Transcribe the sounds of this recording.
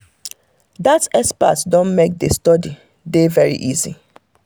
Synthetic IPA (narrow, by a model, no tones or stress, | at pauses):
datɛspa̰tdõnmek̚destɔdi | devɛɹḭʔizḭ